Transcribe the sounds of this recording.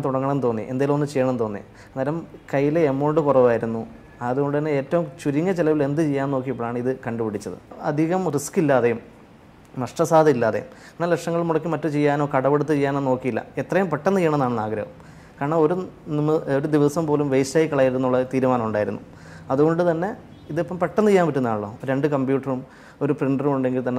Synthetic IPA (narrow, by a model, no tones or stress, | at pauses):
t̪uɽɐŋːɐɳɐnt̪o̞ːnːḭʔend̪aːjilumonːɨt͡ɕejːɐːɳɐnɨt̪o̞ːnːḭj̰ | nelɐmkɐjːilemːoːɳɖɨkurɐʋaːjiɾunːu | ɐðuɣo̞ɳɖɨt̪ɐnːeeːtːɐʋumt͡ɕuɾiŋːɐt͡ɕelɐʋile̞nd̪ɨt͡ɕejːaːnoːkːijɐpːoːɭaːɳɨiðɨkɐɳɖupiɽit͡ɕːɐðɨ̰ɐ̰d̪ʱiɣɐmriskilːaːðejum | nɐʂʈɐsaːd̪ɐilːaːðḛjṵm | enːaːlekʂɐŋːɐɭmuɽɐkːimɐtːut͡ɕejːaːnoːkɐɽɐʋeɽut̪ːɨt͡ɕejːaːnenːno̞ːkːijilːɐ̰et̪rɐjumpeʈːɐnt̪ijːɐɳɐ̃nːaːɳɨna̰ːɡɾɐʋɐm | kaːɾɐɳɐo̞ɾunimːɨoɾud̪iʋɐsɐmpo̞ːlumʋejstaːjikːɐɭɐːjiɾunːuɭːɐt̪iːɾumaːnɐmuɳɖaːjiɾunːu | ɐðuɣo̞ɳɖut̪ɐnːe̞ | iðepːɐmpeʈːɐnijːaːnmpitːunːaːɭɭːo̰ːɾe̞ɳɖɨkɐmbjuːʈːɐrum | o̞ɾupriɳɖɐrumuɳɖe̞ŋɡilt̪ɐnːe